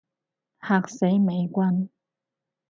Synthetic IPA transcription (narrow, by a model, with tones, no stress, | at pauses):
haː˨k̚se˨˥jme˨˧jkʷɐ˥n